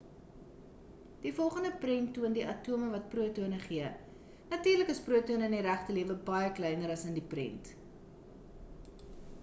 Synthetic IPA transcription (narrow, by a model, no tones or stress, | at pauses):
d̥ifɔlˠχəndəprɛntːuəndiʔɐtuəməvɐt̚pruətuənəχiə | nɐtiːrləkəspruətuənəəniɾæχtəliəvəbɐjəklɛjnəɾɐsəndiprɛ̰nt